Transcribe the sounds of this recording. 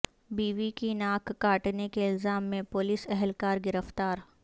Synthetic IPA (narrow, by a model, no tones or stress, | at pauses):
biːʋikinaːkːaːʈnekeɪlzaːmːẽpʊlisɛɦɛlkaːɾɡɪɾəft̪aːɾ